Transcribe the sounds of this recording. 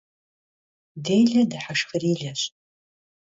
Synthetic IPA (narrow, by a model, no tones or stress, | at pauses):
dejɮɐdaħaʂxɨriːɮɐɕ